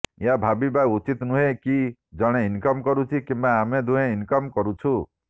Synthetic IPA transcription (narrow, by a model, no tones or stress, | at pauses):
eabʱabibajut͡ʃit̪nũɦekid͡ʒɔɽ̃einkɔmkɔɾut͡ʃʰikimbaːmed̪uɦẽinkɔmkɔɾut͡ʃʰu